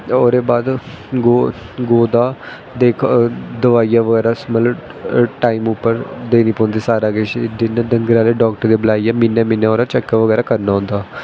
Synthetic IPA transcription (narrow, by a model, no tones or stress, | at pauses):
oːɾeːbaːd̪ | ɡoː | ɡoːd̪aː | d̪eːkʰd̪əʋaːijaːʋəɡɛːɾaːsmət̪ləb | ʈaːiːmʊpːəɾd̪eːniːpõːnd̪iːsaːɾaːɡet͡ʃɖɪnːɖəŋɡɾaːleːɖɔːk̚ʈəɾd̪eːbəlaːijaːmɪnːjaːmɪnjaːoːɾaːt͡ʃɛkːaʋəɡɛːɾaːkəɾnaːɦʊ̃nd̪aː